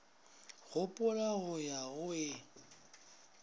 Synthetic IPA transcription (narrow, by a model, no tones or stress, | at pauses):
ɣʊpʼʊlaɣʊjaʊɪ